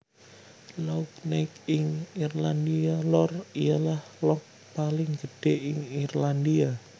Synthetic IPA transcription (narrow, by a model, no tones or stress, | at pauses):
lauk̚nakɪŋirland̪ialɔrijalahlɔk̚ | palɪŋɡ̥əd̥eʔɪŋirland̪ia